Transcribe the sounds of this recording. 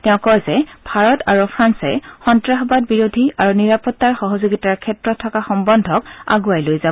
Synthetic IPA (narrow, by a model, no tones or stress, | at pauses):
tɛʊ̃kɔzɛb̥ʱaɹɔtaɹupʰɹansɛ̰xɔntɹaxɔbad̚biɹodʱiaɹuniɹapɔtːaɹxɔɦɔzoɡitaɹkʰɛtɹɔtʰːɔkaxɔmbɔndʱɔka̰ɡuajlojza